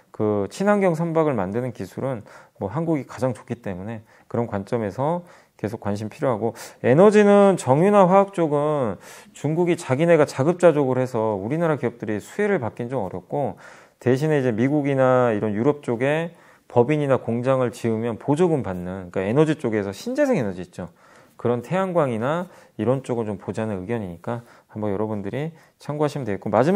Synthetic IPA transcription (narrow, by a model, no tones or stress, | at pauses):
kɯt͡ɕʰinɦaŋɡjʌŋs̬ʰʌmbaɡɯɭmandɯnɯnkisʰuɾɯnmwʌɦanɡuɡikḁd͡ʑaŋt͡ɕo̥k͈ʰit͈e̞mune̞ | kɯɾʌnkwant͡ɕ͈ʌme̞sʰʌ | ke̞sʰok͈wanɕ̬ʰimpʰiɾjoɦaɡoe̞nʌd͡ʑinɯnt͡ɕʌŋjunaɸwaak̚t͡ɕ͈oɡɯnt͡ɕuŋɡuɡit͡ɕaɡine̞ɡat͡ɕaɡɯp̚t͡ɕ͈ad͡ʑʌɡɯɾoɦesʰʌuɾinaɾakiʌp̚t͈ɯɾisʰueɾɯɭpak͈ind͡ʑomʌ̰ɾjʌk̚k͈o | te̞ɕʰine̞id͡ʑe̞miɡuɡinaiɾʌnjuɾʌp̚t͡ɕ͈oɡe̞ | pʌbiɲinakoŋd͡ʑaŋɯɭt͡ɕiɯmjʌnpod͡ʑoɡɯmpanːɯnik͈ae̞nʌd͡ʑit͡ɕ͈oɡe̞sʰʌɕʰind͡ʑe̞sʰeŋe̞nʌd͡ʑiːt̚t͡ɕ͈o | kɯɾʌntʰe̞anɡwaŋinaiɾʌnt͡ɕ͈oɡɯɭt͡ɕompod͡ʑanɯnɯɡjʌɲiɲik͈a | hambʌnjʌɾʌbundɯɾi | t͡ɕʰaŋɡoɦaɕʰimɯndweɡetkomad͡ʑi